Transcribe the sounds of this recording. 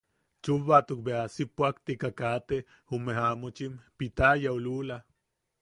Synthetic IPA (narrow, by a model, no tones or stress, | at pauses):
t͡ʃuβat̪uk̚beasipwakt̪ikakat̪e | umeɦamot͡ʃimpit̪ajaulula